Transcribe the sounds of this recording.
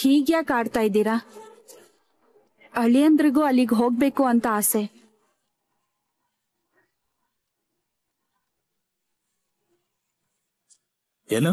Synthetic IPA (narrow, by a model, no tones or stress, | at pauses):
hiːɡjaːkaːɖt̪aːjid̪iːɾa | ɐɭijɐnd̪ɾiɡuːɐlːiɡɦoːɡ̚be̞ːkuɐnt̪ɐaːse | enɐ